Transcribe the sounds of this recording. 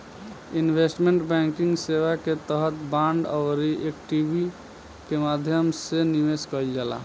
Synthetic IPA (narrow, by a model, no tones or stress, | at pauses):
inbʱesʈmeɳʈbɛŋkiŋɡsebaket̪əɦət̪baɳɖəwɾiʔek̚ʈibʱi | kemad̪ʱjəmsenimeskɔld͡ʒala̰